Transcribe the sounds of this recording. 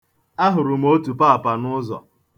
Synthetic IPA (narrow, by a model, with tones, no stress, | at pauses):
a˦ɦʊ˨ɾʊ˨m̩˦o˦tu˨pa˦a˨pa˨nʊ˦zɔ̰˨